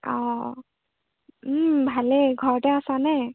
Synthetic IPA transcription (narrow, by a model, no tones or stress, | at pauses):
ɔ̰ | bʱaleɡʱɔɹtɛasanɛ